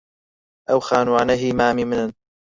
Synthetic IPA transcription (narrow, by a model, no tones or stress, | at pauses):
ʔawxaːnuʕanaɦiːmaːmimɪnan